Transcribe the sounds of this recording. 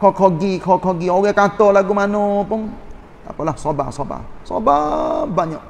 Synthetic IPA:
kʰɔkʰɔɡikʰɔkʰɔɡiɔɡɛkat̪ɔlaɡumanɔ̃pʊn | a̰pɔlasɔba̰sɔba̰sɔ̰babaɲɔ

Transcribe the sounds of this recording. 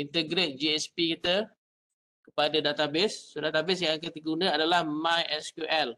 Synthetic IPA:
int̪əɡɾet̪̚d͡ʒiɛspikit̪ə | kə̥padadat̪abɪsːodat̪abɪs̬jaŋkət̪ikəunə̃adalahmãjɛskjuʔɛl

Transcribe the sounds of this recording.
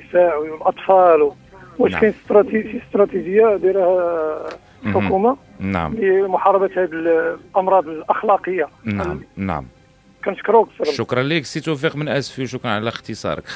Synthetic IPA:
saʕwiwəlʔɑt̪ˤfɑl | wæʃkænst̪ɾɑt̪ifist̪ɾˤɑt̪iʒəjːad̪iɾhæ | lħʊkuma | na̰ʕ̰mlimʊħɑɾˤɑbæt̪hæb̪əlʔɑmɾˤɑd̪ˤəlʔɑxlɑqəjːanna̰ʕm | kænʃə̥kɾuksɾˤʃʊkɾˤɑnliksit̪wæfiqmənʔæsfiwʃuknʕalæxt̪əsˤɑ̰ɾˤə̰k

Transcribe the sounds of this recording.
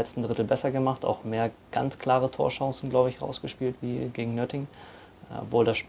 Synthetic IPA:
ɛt͡stn̩dʁɪtl̩bɛsɐɡəmaχta̰ʊxmeːɐɡ̥a̰nt͡skʰl̥aːʁ̞ətʰo̰ːɐʃɑ̃ŋsn̩ɡlaʊbəɪçʁa̰ʊsɡ̥əʃpiːltv̥iːɡeːɡŋ̩nœtɪŋ | ɔ̰pvoːldasʃ

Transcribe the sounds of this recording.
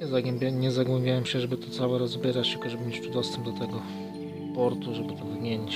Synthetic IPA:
ɲɛzaɡwɛmbʲaɲɛzaɡwɛmbʲjawɛmʂɕɛʐɛbɘt̪ɔt̪sawɛɾɔzbʲjɛɾat͡ɕ̪lkɔʐɛbɘmʲet͡ɕp̪ud̪ɔst̪ɛmb̚d̪ɔt̪ɛɡɔ | pɔɾt̪uʐɛbɘt̪ɔvɲʲjeɲit͡ɕ

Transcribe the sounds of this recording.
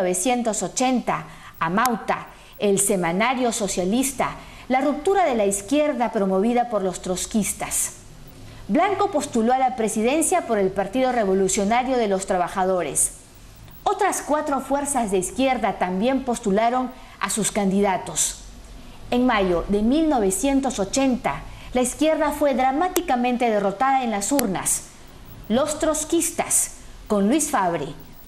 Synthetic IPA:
oβe̞sje̞nt̪o̞so̞t͡ʃe̞nt̪aː | mawt̪a | else̞manaɾjo̞so̞sjalist̪a | larup̚t̪uɾaðe̞laiskje̞ɾðapɾo̞mo̞βiðapo̞ɾlo̞st̪ɾo̞skist̪as | blaŋko̞po̞st̪ulo̞alapɾe̞siðe̞nsjapo̞ɾe̞lpaɾt̪iðo̞re̞βo̞lusjo̞naɾjo̞ðe̞lo̞st̪ɾaβaxaðo̞ɾḛs | o̞t̪ɾaskwat̪ɾo̞fwe̞ɾsazðeiskje̞ɾðat̪ambje̞mpo̞st̪ulaɾo̞n | a̰suskand̪iðat̪o̞s | eŋmaʝo̞ðe̞milno̞βe̞sje̞nt̪o̞sot͡ʃe̞nt̪alaiskje̞ɾðafwe̞ðɾamat̪ikamẽnt̪e̞ð̞e̞ro̞t̪aðaenlasuɾna̰s | lo̞st̪ɾo̞skist̪a̰s | ko̞nlwisfaβɾḭ

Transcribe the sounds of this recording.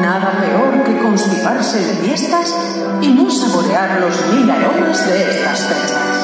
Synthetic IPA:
naðape̞oɾke̞ko̞nspiɾaɾsefjest̪as | inoseβoɾeaɾlo̞zmilaɾonezðeest̪ast̪e

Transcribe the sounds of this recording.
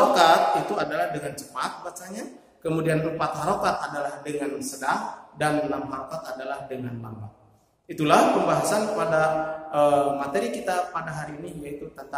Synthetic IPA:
okat̪̚it̪uadalahdəŋant͡ʃə̥pat̪̚bat͡ʃaɲa | kəmudianrupat̪̚ɦaɾokat̪̚adalahdəŋansədahdanlamaɦaɾokat̪adalahdəŋa̰nla̰mba̰t̚ | it̪ulahpəmbaɦasanpadaəmat̪eɾikit̪apadaɦaɾiːniijait̪ut̪ənt̪a

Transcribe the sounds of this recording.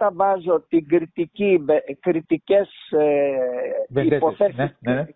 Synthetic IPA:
t̪ɐvɐzo̞t̪iɡɾit̪iciekɾit̪ices | eipoθeɾsis

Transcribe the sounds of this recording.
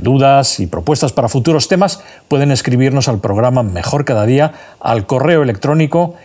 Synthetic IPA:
d̪uðasipɾo̞pwe̞st̪aspaɾafut̪uɾo̞st̪e̞mas | pwe̞ð̞e̞ne̞skɾiβ̞iɾno̞salpɾoɣ̞ɾamame̞xo̞ɾkaðað̞ia | a̰lko̞re̞oe̞le̞k̚t̪ɾo̞niko̞

